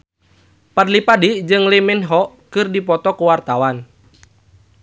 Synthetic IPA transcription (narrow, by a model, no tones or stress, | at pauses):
padlipadid͡ʒɨŋlimɛnɦɔ | kɨrdipɔt̪ɔkuwart̪awan